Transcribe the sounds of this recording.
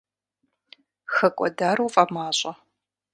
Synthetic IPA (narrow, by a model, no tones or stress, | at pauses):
xɐkʷʼɔ̰daːɾuːfʼɐmaːɕʼɐ